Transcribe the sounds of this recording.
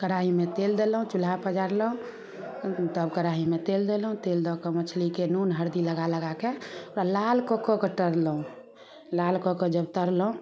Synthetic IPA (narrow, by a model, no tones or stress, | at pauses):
kəɾaɦimet̪eld̪elɦũt͡ʃulapəd͡ʒaɾləɦũ | t̪əbkəɾaɦimet̪eld̪elɦũt̪eld̪ɔkemət͡ʃʰlikenunɦəɾd̪iləɡaləɡakeoɾalalkokːokeʈəɾləɦũ | lalkokod͡ʒəbt̪əɾlɦũ